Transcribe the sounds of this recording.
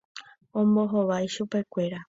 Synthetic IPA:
õmboɦoʋajʃupe̞kʷe̞ɾa

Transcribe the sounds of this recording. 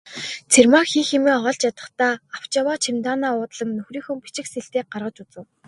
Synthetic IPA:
t͡sʰermakxiːxemiːŋɔʁɞ̆ɮt͡ɕjat̪ə̆χt̪aːaw̥t͡ɕawaːt͡ɕʰimt̪aːnaːʊːt̪ɮə̆nnɵxriːxɵ̆mpit͡ɕɪ̆xseɬt̪eːk̚ɢarʁə̆t͡ɕut͡sɘ̆w

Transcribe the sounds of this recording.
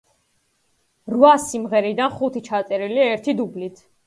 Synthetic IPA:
ɾvasimʁɛɾid̪anχut̪ʰit͡ʃʰat̪sʼɛɾiliaɛɾt̪ʰid̪ublit̪ʰ

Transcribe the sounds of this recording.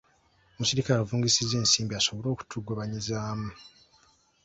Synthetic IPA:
omusiɾikaːɾuvuːŋɡisize̞ːnsiːmbiaso̞βo̞ɾo̞ːku̥tʰuɡoβaɲizaːmu

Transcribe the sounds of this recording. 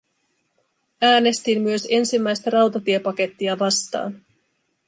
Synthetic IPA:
æːne̞st̪imːyø̞se̞nsimːæjst̪æɾɑwt̪ɑt̪iepɑke̞t̪ːiɑʋɑst̪ɑ̰ːn

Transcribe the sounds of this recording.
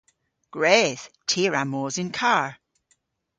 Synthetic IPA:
ɡ̥ɹɛːð̥tʰiːɹamoːzɪnkʰaɹ

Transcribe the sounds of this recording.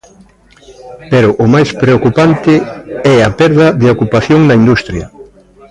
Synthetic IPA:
peɾʊʔʊmajspɾeokupant̪ɪɛɐpɛɾðɐðeokupaθjoŋnɐind̪ust̪ɾjɐ

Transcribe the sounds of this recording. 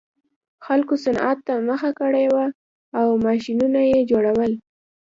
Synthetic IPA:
xalkosana̰t̪ːaməxakəɽewaː | wmɑʃinunajed͡ʒoɽawəl

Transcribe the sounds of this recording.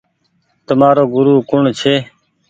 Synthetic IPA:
t̪əmaːɾoːɡʊɾuːkʊɳt͡ʃʰeː

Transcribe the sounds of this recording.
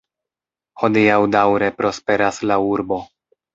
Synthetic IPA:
ho̞diawdawɾe̞pɾo̞spe̞ɾaslauɾbo̞

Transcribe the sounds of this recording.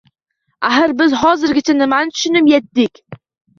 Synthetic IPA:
aɦaɾbɪzɦɒzɪɾɡʲɪt͡ʃʰanɪmant̪ʰʊ̥ʃɪnɪmjɛt̪̚ːɪkʲ

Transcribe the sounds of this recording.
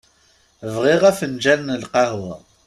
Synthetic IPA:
vʁiʁæfənd͡ʒænːəlqɑhw

